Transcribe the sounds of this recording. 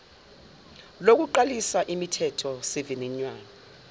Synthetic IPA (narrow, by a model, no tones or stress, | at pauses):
lok̬uǃalisaʔimitʰɛtʰɔsiviniɲwaːna